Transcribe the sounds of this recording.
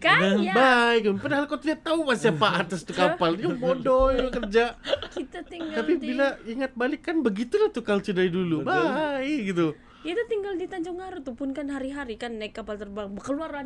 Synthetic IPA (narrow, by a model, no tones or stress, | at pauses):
kabaiapadaɦalkat̪udat̪aumasiapaat̪ast̪ukapalɲabodojkərd͡ʒakit̪at̪iŋɡt̪apibilaiŋat̪̚balɪkːanbəɡit̪ulaht̪ukalt͡ʃədajdulubaiɡit̪u | jat̪ut̪iŋɡaldit̪aɲd͡ʒɔŋaɾut̪upʊnkanɦaɾiɦaɾikanːaɪkːapalt̪ərbaŋbəkəluaɾan